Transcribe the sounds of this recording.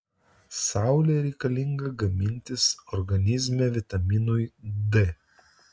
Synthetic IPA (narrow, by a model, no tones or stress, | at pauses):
sɑˑʊlʲeːɾʲɛɪkɐlʲɪŋɡɐɡɐmʲɪnʲt̪ʲɪsɔɾɡɐnʲɪzʲmʲɛːʋʲɪt̪ɐmʲinujd̪e